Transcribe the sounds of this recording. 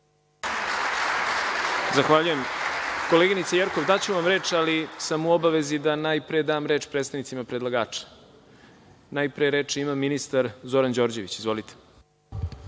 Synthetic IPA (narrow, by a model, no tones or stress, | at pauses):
zaxʋaʎuje̞mko̞leɡinit̪sejeɾko̞ʋd̪at͡ɕuʋamɾe̞ːt͡ʃalisamuo̞baʋe̞zid̪anajpɾeed̪aːmɾe̞ːt͡ʃpɾet̪st̪anit̪simapɾed̪lˠaɡaːt͡ʃḁ | najpɾeeɾe̞ːt͡ʂeimamːinist̪aɾzo̞ɾand͡ʑo̞ːɾd͡ʑe̞ʋit͡ɕizvʋo̞lit̪ʰe̥